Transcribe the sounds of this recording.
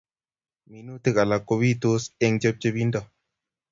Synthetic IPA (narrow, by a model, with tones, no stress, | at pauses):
mi˨nu˦tɨ˦ka˨la˨ko˧bi˦t̪u˦se˧ŋd͡ʒə˦p̚t͡ʃə˦bi˦ndɔ˦˨